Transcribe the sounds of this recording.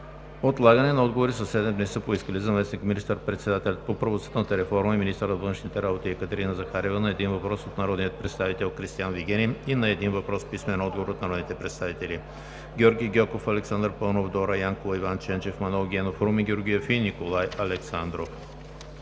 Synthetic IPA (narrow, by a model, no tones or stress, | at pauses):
ot̪lˠaɡənɛnɐɔd̪ɡovoɾisəsɛd̪ɛmd̪nɛsəpoiskəlizɐmɛsnikminist̪əɾpɾɛt̪sɛd̪at̪ɛlʲɐt̪̚popɾəvoə̥t̪nət̪əɾɛfɔɾməiminist̪əɾəzvənʃnit̪ɛɾabot̪iɛkət̪ɛɾinəzɐxaɾivənɐɛd̪invɐpɾɔsot̪nɐɾɔd̪nijət̪̚pɾɛt̪st̪avit̪ɛlˠkɾist̪ijanviɡʲɛnʲiinɐɛd̪invɐpɾɔspismɛnɐɔd̪ɡovoɾot̪nɐɾɔd̪nit̪ɛpɾɛt̪st̪avit̪ɛli | ɡʲjɔɾɡʲijɡʲɔkofɐlɛksand̪əɾpənovd̪ɔɾəjaŋkolˠɐivant͡ʃɛnt͡ʃɛfmɐnɔɡʲɛnofɾumiɡʲoɾɡʲijofinikolˠajɐlɛksand̪ɾof